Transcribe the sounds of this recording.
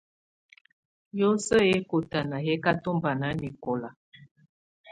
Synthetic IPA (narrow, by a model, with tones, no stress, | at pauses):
jo˦sə˦e˦ko˨ta˨na˨ɦe˦ka˦to˦mba˨na˨˦ni˨kɔ˨la˨